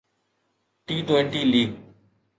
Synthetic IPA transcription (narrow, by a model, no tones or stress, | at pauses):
ʈiːʈwẽːɳʈiːliːɡ